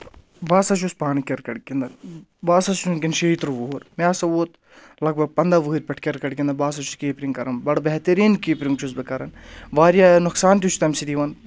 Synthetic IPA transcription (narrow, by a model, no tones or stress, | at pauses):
baːsɐt͡ʃʰuspaːnɨkʲɐɾkɐɽkʲind̪ɐnbaːsɐst͡ʃuŋkʲinʃeit̪ɾʋoɦuɾmaːsɐʋoːt̪ | lɐɡ̚bɐɡ̚pɐnd̪aʋɨɦɨɾʲpʲɐʈʰkʲɐɾkɐɽkʲind̪ɐbaːs̬ɐt͡ʃʰu̥keːpɾiŋɡkɐɾɐnbɐɽbɛɦt̪ɐɾiːnkiːpɾiŋɡt͡ʃʰusbɐkɐɾɐnʋaːɾjanuksaːnt̪̬ʲut͡ʃʰt̪ɐmsid̪iʋɐn